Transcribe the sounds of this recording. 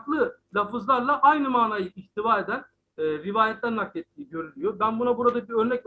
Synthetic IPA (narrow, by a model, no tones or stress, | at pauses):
k̪lˠɯlʲafɯzlˠaɾlˠaʔajnɯmaːnaːjɯiçt̪ʰivaːɾe̞d̪ænː | ɾivaːjɛt̪ʲæɾnak̚t̪et̪ʰːiːiɟøɾylʲyjobænbunabuɾad̪aciø̞ɾnɛc